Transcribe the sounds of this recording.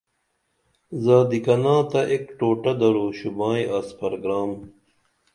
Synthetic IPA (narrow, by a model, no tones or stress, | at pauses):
zaːd̪ikɐnãːt̪ɐʔekʈoːʈɐd̪ɐɾoːɕubãːiʔaːspɐɾoɡɾaːm